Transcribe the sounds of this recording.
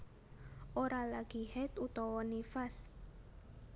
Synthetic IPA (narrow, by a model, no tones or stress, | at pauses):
ʔoɾalaɡ̥ihɛt̪ut̪ɔwɔnifas